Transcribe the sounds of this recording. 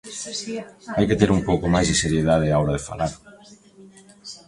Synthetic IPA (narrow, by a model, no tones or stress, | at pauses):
ajket̪eɾumpowkomajzðiseɾjeðað̞eaoɾaðefa̰laɾ